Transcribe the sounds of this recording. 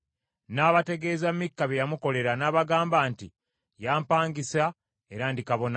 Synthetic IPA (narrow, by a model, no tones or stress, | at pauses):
naːβate̞ɡe̞ːzamːikːaβejamuko̞le̞ɾanaːβaɡaːmbaːnti | jaːmpaːŋɡisa | e̞ɾandikaβo̞na